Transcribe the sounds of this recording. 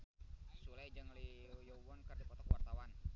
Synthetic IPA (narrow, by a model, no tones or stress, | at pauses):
sulajd͡ʒaŋlijowɔnkərdipɔt̪ɔkwart̪awan